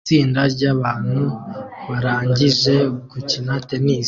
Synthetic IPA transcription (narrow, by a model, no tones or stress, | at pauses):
iːndaɾɟaβaːn̥huβaɾaːɲɟiʒe̞kucinate̞nis